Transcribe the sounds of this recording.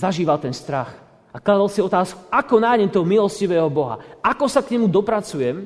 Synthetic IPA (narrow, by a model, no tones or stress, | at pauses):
zaʒiːʋalt̪ɛnst̪ɾax | aklad̪alsiɔt̪aːsku̥akɔnaɦɲɛmt̪ɔɦɔmilˠɔsciʋɛːɦɔbɔɦa̰akɔsakɲɛmud̪ɔpɾat͡sujɛm